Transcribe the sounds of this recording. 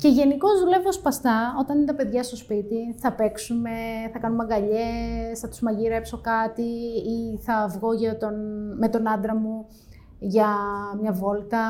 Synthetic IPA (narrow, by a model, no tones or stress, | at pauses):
ce̞ʝe̞niko̞zðule̞vospɐst̪ɐo̞t̪ɐninet̪ɐpe̞ðʝɐst̪o̞spit̪iθɐpe̞ksume̞θɐkɐnumɐŋɡɐʎe̞sθɐt̪u̥zmɐʝiɾe̞pso̞kɐt̪iiθɐvɣo̞ʝɐt̪onme̞t̪o̞nɐd̪ɾɐmu | ʝɐmɲɐvo̞lt̪ɐ